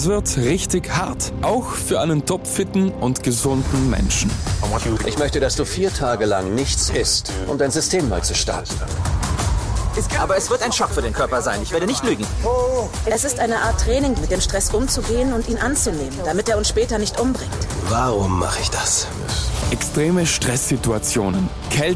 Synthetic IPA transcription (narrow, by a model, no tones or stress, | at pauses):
sv̥ɪɐtʁɪçtɪçhaɐtʔaʊxfyːɐʔaɪnəntʰɔpfɪtn̩ʔʊntɡ̥əzʊndn̩mɛ̰nʃn̩ʔɪçmœçtədasd̥uːfiːɐtʰaːɡəla̰ŋnɪçt͡sɪstʔʊ̰mdaɪnzʏstʰeːmma̰ːlt͡suʃta̰ɐtn̩ | ʔaːbɐɛsv̥ɪɐtaɪnʃɔkfyːɐdeːnkʰœɐpɐzaɪnɪçv̥eːɐɾənɪçtlyːɡŋ̩ | ʔɛsɪstʔaɪnəʔaːɐtːʁ̥ɛːnɪŋmɪt̚d̥eːmʃtʁ̥ɛsʔʊmt͡suɡeːənʊntʔiːnʔant͡suneːmənd̥amɪteːɐʊnsʃpɛːtɐnɪçtʔʊmbʁɪŋtvaʁʊmːa̰χəɪçd̥as | ʔɛkstʁ̥eːməʃtʁ̥ɛsz̥ituat͡sjoːnən | kʰɛl